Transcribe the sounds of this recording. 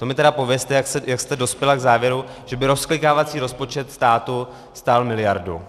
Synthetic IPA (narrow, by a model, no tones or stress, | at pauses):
t̪o̞mɪt̪ɛɾapo̞vjɛst̪ɛjaksɛjakst̪ɛdo̞spjɛlaɡzaːvjɛɾu | ʒ̥ɛbɪɾo̞sklɪkaːvat͡siːɾo̞spo̞t͡ʃɛt̪st̪aːt̪u | st̪almɪlɪjaɾdṵ